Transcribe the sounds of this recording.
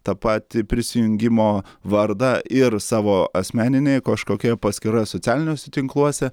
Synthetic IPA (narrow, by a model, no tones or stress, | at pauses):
t̪ɐpɑːt̪ʲɪpʲɾʲɪsʲɪjʊŋʲɡʲɪmoːʋɐɾd̪ɐʔɪrsɑːʋoːɐsʲmʲæːnʲɪnʲɛɪkɐʃkoːkʲiɛpɐsʲkʲɪɾɐsoːt̪ʲæːlʲɪnʲoːsʲɛt̪ʲɪŋklˠuɔsʲɛ